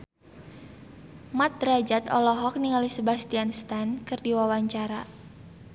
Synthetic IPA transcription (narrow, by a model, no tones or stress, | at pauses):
mat̪̚rad͡ʒat̪ɔ̰lɔɦɔk̚niŋalisəbast̪ianst̪ankɨrdiwawaɲt͡ʃaɾa